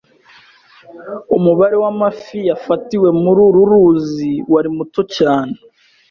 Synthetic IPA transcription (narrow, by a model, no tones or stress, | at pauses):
umuβaɾe̞wamafijafatiwe̞muɾuɾuɾuziwaɾimuto̞caːne